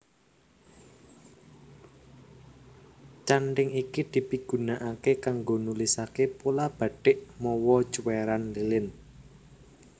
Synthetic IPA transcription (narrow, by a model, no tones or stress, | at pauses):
t͡ʃaɳɖɪŋikid̪̥i̤piɡ̥ṳnaʔakekaŋɡonulisakepolab̥ä̤ɖ̥ɪʔmɔwɔ̥t͡ʃuweɾanlilɪn